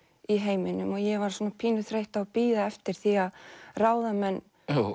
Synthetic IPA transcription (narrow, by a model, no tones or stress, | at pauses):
iɦeːjmɪnʏmɔɣjɛvaɾ̥sɔːnapʰiːnʏθɾejht̪apiːðaɛft̪ɪɾ̥θiaðraːwðamɛnː